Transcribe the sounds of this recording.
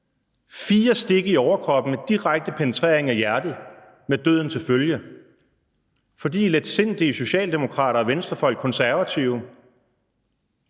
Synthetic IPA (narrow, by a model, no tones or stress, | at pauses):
fiːɐsd̥e̝ɡ̥əiɒʊɐkʰʁɒ̽b̥n̩med̥iʁaɡ̥̚d̥əpʰenət͡sʰʁḛɐe̝ŋæjæɐd̥ð̩ˠ | med̥ø̰ð̰ˠn̩t͡sʰe̝lføljə | fɒ̽d̥ḭːled̥se̝n̰d̥iiso̝ɕɛ̰ːld̥e̝mo̝kʰʁɑ̈ːɾɐːʋensd̥ɐfɒ̽l̰ɡ̥̚kʰɒ̽nsæɐʋæt͡sʰiʊ